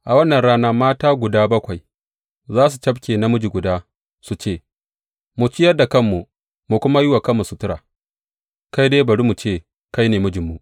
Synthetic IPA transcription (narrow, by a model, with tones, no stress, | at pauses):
ʔa˨wɐ˦nːɐ˨nɽaː˦na˦maː˦taː˦ɡʷʊ˨daː˦bɐ˦kʷa˨j | zaː˦s̬u˨t͡ʃɐ˦bkʲeː˨na˦mʊ˦d͡ʒi˨ɡʷʊ˨daː˦ | su˨t͡ʃeː˦˨ | mu˨t͡ʃɪ˦jɐ˦da˨kɐ˦mːu˨ | mu˨kʷʊ˦ma˦jɪ˦wa˨kɐ˦mːu˨su˨tʊ˦ɾa̰ː˨ | ka˦jdeː˦bɐ˨ɾi˦mu˨t͡ʃeː˦˨ | ka˦jneː˨mʊ˦d͡ʒɪ˨mːu˨ʔ